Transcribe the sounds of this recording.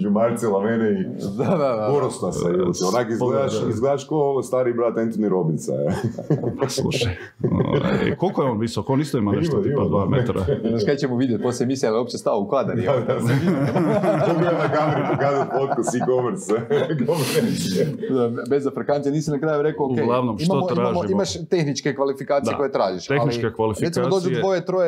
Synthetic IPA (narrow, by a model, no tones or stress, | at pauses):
d͡ʒumaɾt̪silˠamenei | d̪ad̪ad̪aoɾost̪asajot̪ionakizled̪aʃizɡled̪aʃkost̪aːɾibɾat̪ent̪oniɾobint̪sa̰ | slˠṵʃaj̰ | ḛkolkojeonʋisaokonist̪oimaneimiiaːɾmet̪ɾaznaʃkat͡ɕemuʋid̪jet̪̚ʲposlʲemisialijopt͡ʃest̪aoukad̪aɾid̪asʋid̪iukianakamɾipokaːzat̪̚pot̪kosikomeɾskom | d̪abezafɾekanijaniːsinakɾajuɾe̞kookeɡlˠaʋnomitmaomot̪iɾamaʒmoiimmaʃt̪e̞xnit͡ʃkekʋalifikaːd̪ieakojet̪ɾaːʒiʃeaxlniit͡ʃkekʋalifiek̪ʲːiamod̪oːd͡ʒoid̪ʋo̞jet̪ɾoje